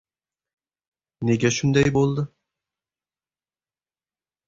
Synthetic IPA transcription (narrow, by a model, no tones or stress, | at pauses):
neɡʲæʃʊnd̪æjbolˠd̪ə